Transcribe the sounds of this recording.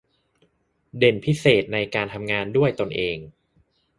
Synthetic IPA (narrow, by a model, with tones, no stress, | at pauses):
de˨˩npʰi˦˥seː˨˩t̪̚na˧jkaː˧nt̪ʰa˧mŋaː˧ndu˥˩əjt̪o˧nʔeː˧ŋ